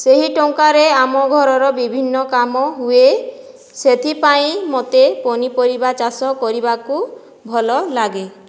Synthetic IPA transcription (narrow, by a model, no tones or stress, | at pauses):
seɦiʈoŋkaɾeamɔɡʱɔɾɔɾɔbibʱinːɔkamɔɦue | set̪ʰipaĩmot̪eponipɔɾibat͡ʃasɔkɔɾibaku | bʱɔlɔlaɡe